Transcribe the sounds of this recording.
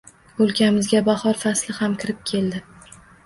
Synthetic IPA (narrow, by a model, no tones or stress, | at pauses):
olˠkʲʰamɪzɡʲabahɒɾfaslɪhamkʲʰɪɾɪp̚kʲʰe̞ld̪ɪ